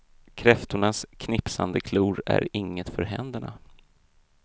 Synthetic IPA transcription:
kʰɾɛft̪ʊɳaskʰnɪpsand̪əkʰluːɾæ̰ɾɪŋːət̪fœɾɦɛnd̪əɳa̰

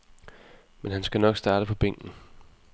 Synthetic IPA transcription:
menɦænsɡ̥ænɒ̽ɡ̥sd̥ɑ̈ːdɾəpʰɒ̽b̥eŋ̰ɡ̥n̩

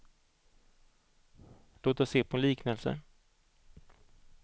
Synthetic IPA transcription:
loːt̪əseːpʰɔliːknɛlsə̰

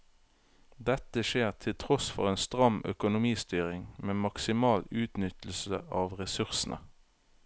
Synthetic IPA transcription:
d̪ɛt̪əʃeːʁt̪ʰɪlt̪ʰʁɔsfɔ̰ʁeːnst̪ʁɑmœ̰kʊnʊmiːst̪yːʁɪŋmeːmɑksɪmɑːlʉːt̪nʏt̪l̩səʔɑːʋʁɛsʉʁsnʔə̰

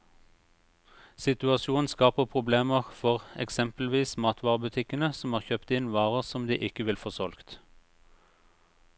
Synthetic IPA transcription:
sɪt̪ʉɑsuːnn̩skɑːpəʁpʰʁʊbleːməʁfɔʁɛ̰ksɛmpl̩ʋiːsmɑːt̪ʰʋɑːʁəbʉt̪ʰɪkənəsɔmhɑːʁçøːpt̪ɪnʋɑːʁəʁsɔmd̪ḭːʔɪkəʋɪlfɔːʁsɔlkt̪

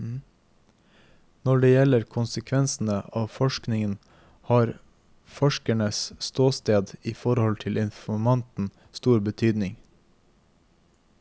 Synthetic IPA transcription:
nɔɖeːjɛləɾkʰʊnsəkʰʋɛnsn̩əʔɑːʋfɔʃknɪŋən | hɑːɾ | fɔʃkæɳəsst̪oːst̪eːd̪iːfɔɾhɔlt̪ʰɪlɪnfɔmɑnt̪n̩ | st̪uːɾbət̪ʰyːd̪nɪŋ

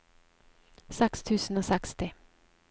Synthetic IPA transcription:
sɛkst̪ʰʉːsn̩oːsɛkst̪ɪ

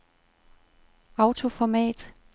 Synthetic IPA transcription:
ɑ̈ʊt͡sʰo̝fɒmɛ̰ːd̥

